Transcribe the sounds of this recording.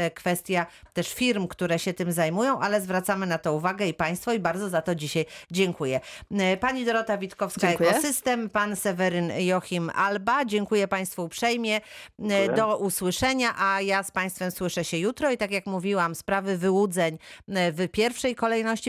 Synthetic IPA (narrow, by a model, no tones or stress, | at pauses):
kfɛst̪ʲja | t̪ɛʂfʲiɾmkt̪uɾɛɕɛt̪ɘmzajmujɔ̃w̃ʔalɛzvɾat̪samɘnat̪ɔuvaɡɛipaj̃st̪fɔibaɾd̪zɔzat̪ɔd͡ʑiɕajd͡ʑɛŋkujɛpaɲid̪ɔɾɔt̪avʲit̪kɔfsaɛkɔsɘst̪ɛmpansɛvɛɾɘnjɔxʲima̰lbad͡ʑɛŋkujɛpaj̃st̪fuupʂɛjmʲjɛ | d̪ɔʔuswɘʂɛɲaʔajaspaj̃st̪fɛmswɘʂɛɕɛjut̪ɾɔit̪akʲjakmuvʲiwamspɾavɘvɘwud̪zɛɲvpʲjɛɾfʂɛjkɔlɛjnɔɕt͡ɕi